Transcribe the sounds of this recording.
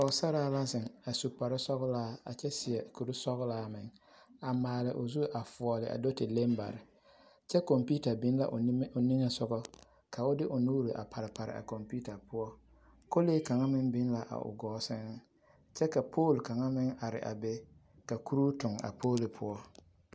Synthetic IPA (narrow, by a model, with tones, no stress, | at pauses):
ɔ˨sa˦ɾaː˦la˦zɪ˨ŋa˨su˨pa˨ɾɪ˦sɔ˦ɣlaː˦a̰˨t͡ʃɛ˦sɪ˨ɛ˨ku˨ɾu˦sɔ˦ɣlaː˦mɪ˨ŋ | a˨maː˨lɪ˨ʔʊ˨zu˦ʔa˨fɔ˨ɔ˨lɪ˨ʔa̰˨do˦tɪ˨le˦mba̰˨ɾɪ˨ | t͡ʃɛ˦ko˨mpi˦ta˨bɪ˦n˦la̰˨ʔnɪ˦ŋɛ˨sʊ˦ɡɔ˦ | ka˨ʊ˦dɪ˦ʔʊ˨nuː˦ɾi˨ʔa̰˨pʰa˨ɾɪ˨pa˨ɾɪ̰˨ʔa̰˨ko˨mpi˦ta˨pʰʊ˦ɔ˦ | ko˦leː˦ka˨ŋa˦mɪ˦ŋbɪ˦n˦la˨ʔa̰˨ʔʊ̰˨ɡɔː˨˦sɪ˦ŋ˦ | t͡ʃɛ˦ka˨pʰoː˦˨lka˨ŋa˦mɪ˦ŋa˨ɾɪ̰˨ʔa̰˨be˦ | ka˨ku˦ɾuː˦tʊ˨ŋa̰˨pʰoː˦li˨pʰʊ˦ɔ˦